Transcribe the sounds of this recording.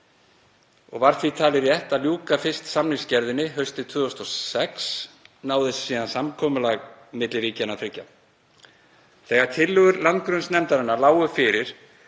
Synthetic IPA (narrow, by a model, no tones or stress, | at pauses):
ɔ̰ɣvaɾ̥θvit̪ʰaːlɪɾjɛht̪aðljuːkafɪ̥st̪samniscɛɾðɪnːɪɦœɥst̪ɪt̪ʰvʏːðɔst̪ɔsɛksnaːwðɪssiːðansamkʰɔːmʏlaɣmɪt̪lɪɾiːcanaθʰɾɪcːa | θɛːɣaɾ̥t̪ʰɪlːʏɣʏɾlant̪̚kɾʏnsnɛmt̪aɾɪnalaːwɣʏfɪɾɪɾ̥